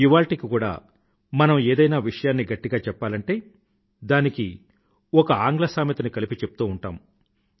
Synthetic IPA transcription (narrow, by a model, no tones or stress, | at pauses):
iʋaːɭʈikikuːɽa̰ː | mɐnɐmeːd̪ɐjnaːʋiʂɐjaːnːiɡɐʈːiɡaːt͡ʃɛpːaːlɐɳʈe̞ː | d̪aːniki | ɔkɐaːŋɡlɐsaːmit̪unikɐlipit͡ʃepu̥t̪uːuɳʈaːm